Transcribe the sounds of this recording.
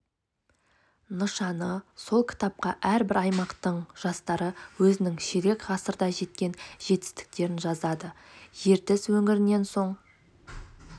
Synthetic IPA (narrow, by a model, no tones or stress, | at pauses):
nəʃɑnəso̞lˠkʲʰɪ̥t̪ɑp̚qɑʔæɾbɪɾɑjmɑqt̪əɴʒ̥ɑst̪ɑɾəwɵzɪnɪŋʃeɾe̞kʁɑsəɾd̪ɑʒe̞t̪̚kʲe̞nʒ̥e̞t̪ɪ̥st̪ɪ̥k̚t̪e̞ɾɪnʒɑzɑd̪əʒe̞ɾt̪ɪswɵŋɪɾɪnːe̞nso̞ɴ